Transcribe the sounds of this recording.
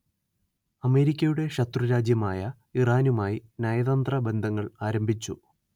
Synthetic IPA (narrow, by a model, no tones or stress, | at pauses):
ɐme̞ːɾikʲːɐjuɽe̞ɕɐt̪ruɾaːd͡ʑjɐmaːjɐ | iraːnumaːjinɐjɐðɐnd̪rɐbe̞nd̪ʱɐŋːɐɭaːɾɐmbʱit͡ɕːṵ